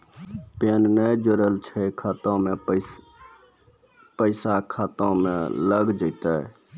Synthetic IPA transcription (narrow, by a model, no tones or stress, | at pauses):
pennəjd͡ʒoɾəlt͡ʃʰɛkʰət̪õme | pəɪsakʰat̪õmḛ̃ləɡd͡ʒəɪt̪ə